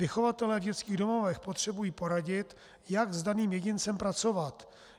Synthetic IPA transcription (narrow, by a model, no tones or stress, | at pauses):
ɪxo̞vat̪ɛlɛːvɟɛt͡skiːɣdo̞movɛxpot̪r̝̥ɛbujiːpo̞ɾaɟɪt̪ | jaɡzdaniːmjɛɟɪnt͡sɛmpɾat͡so̞vat̪